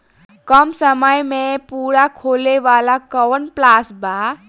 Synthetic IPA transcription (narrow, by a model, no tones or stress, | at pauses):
kəmsəməjmepuɾakʰoleʋalakəwənplasba